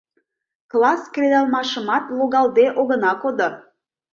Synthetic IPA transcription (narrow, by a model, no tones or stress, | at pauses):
klˠɑskrʲed̪ɑlˠmɑʃəmɑt̪loɣɑlˠd̪eʔoɣə̆nɑkod̪o